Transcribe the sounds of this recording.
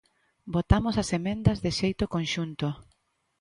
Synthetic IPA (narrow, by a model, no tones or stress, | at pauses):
bot̪amosɐsemẽnd̪ɐzðɪʃejt̪okõnʃunt̪o